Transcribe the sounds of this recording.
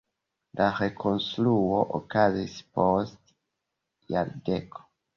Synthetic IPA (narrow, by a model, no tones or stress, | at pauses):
laʁekʰonsluoʔo̰kazispost | jaɾdekʰo̥